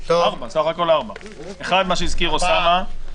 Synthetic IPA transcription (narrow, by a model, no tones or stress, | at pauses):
aʁbasaχako̞laʁba | e̞χad̪maʃeizkiʁusama